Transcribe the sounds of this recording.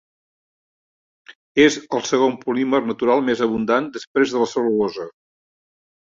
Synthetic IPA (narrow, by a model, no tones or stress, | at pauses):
ezəlˠsəɣompulimərnət̪uɾalˠmezəβund̪and̪əspɾezðələseβəɔzə